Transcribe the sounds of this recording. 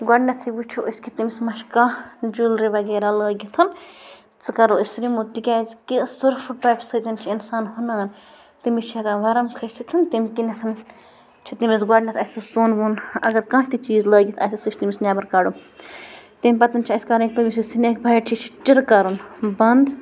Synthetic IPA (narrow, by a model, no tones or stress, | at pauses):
ɡwɐɖnʲɐt̪ʰiʋut͡ʃʰuəsʲkʰʲit̪imismɐʃkãd͡ʒulɾiʋɐɡeːɾaləːɡʲit̪ʰɐn | t͡sɨkɐɾusʲɾimut̪ikʲaːzkisɨɾfʈaːjpsəːt̪ɐnt͡ʃʰiinsaːnhunaːn | t̪imit͡ʃʰiɾaʋɐɾɐmkʰɐsit̪ʰɐnt̪imʲkinɐt̪ʰɐn | t͡ʃʰit̪imisɡɐɖnʲɐt̪ʰɐsɨsoːnʋunɐ̰ɡɐɾkãːt̪it͡ʃiːzləːɡʲit̪ʰɐsʲisɨt͡ʃʰt̪imisnʲaːbɐɾkaɽu | t̪imʲpɐt̪ɐnt͡ʃʰiɐsʲkɐɾɐ̃nk̚ʲt̪ɨmisʲisineːkbʱɐjt͡ʃʰit͡ʃʰi̥t͡ʃiɾkɐɾunbɐnd̪